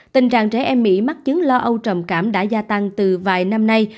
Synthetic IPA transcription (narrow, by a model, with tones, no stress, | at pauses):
t̪ï˨˩ŋ̟t͡ɕa̰ː˧˨ŋt͡ɕɛ˧˩ʔɛ˧mːḭ˧˥ma˦˥t̚t͡ɕɨ˨˦ŋlɔ˧ʔə˧wt͡ɕə˨˩mkaː˧˩mɗa̰ː˧˥zaː˧t̪a˧ŋt̪ɨ˨˩vaː˨˩jna˧mna˧j